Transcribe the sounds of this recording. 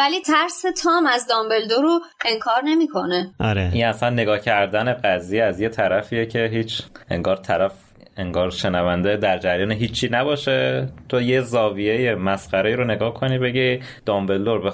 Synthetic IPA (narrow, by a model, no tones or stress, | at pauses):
vælit̪ʰæɾset̪ʰɒːmæzd̪ɒmbe̞ld̪oɾoeŋkʰɒːɾnemiːkʰo̞neʔɒɾeʔinæsænːe̞ɡɒːcʰæɾd̪æne̞ɢæzijeæzje̞t̪ʰæɾæfiːjecʰe̞ɦiːt͡ʃʰʔe̞̰ŋɡɒːɾt̪ʰæɾæf | eŋɡɒːɾʃe̞nævænd̪ed̪æɾd͡ʒæɾjɒːneɦiːt͡ʃʰːiːnæbɒːʃe̞t̪ʰojezɒːviejemæsqæɾeiːɾone̞ɡɒːhkʰo̞niːbe̞ɟi | d̪̥ɒːmbe̞ld̪oɾbe